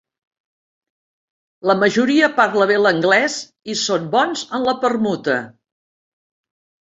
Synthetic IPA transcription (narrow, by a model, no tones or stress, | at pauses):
ləməʒuɾiəpaɾləβ̞eləŋɡlɛz | isombɔnzənləpərmut̪ə